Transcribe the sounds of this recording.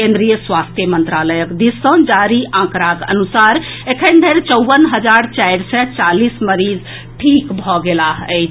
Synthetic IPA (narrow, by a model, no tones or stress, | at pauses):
ẽnd̪ɾijəswast̪ʰjəmənt̪ɾaləjəkd̪isə̃d͡ʒaɾiʔãkɾakə̰nusaɾ | ekʰənd̪ʱeɾt͡ʃəwʋənɦəd͡ʒaɾt͡ʃajɾsɛt͡ʃalisməɾid͡ʒ | ʈʰikbʱɔɡelaɦə